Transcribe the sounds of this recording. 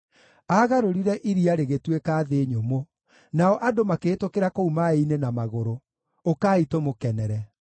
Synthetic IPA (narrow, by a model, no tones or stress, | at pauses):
aɣaɾoɾiɾɛʔiɾiaɾeɣetwekaːðeɲomo | naɔʔadomakeːtokeɾakoumaeinenamaɣoɾo | okaːitomokɛnɛɾɛ